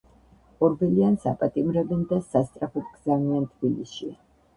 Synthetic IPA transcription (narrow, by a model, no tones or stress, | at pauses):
ɔɾbɛliansapʼat̪ʼimɾɛbɛnd̪asast̪sʼɾapʰɔt̪ɡzamiant̪ʰbilisʃia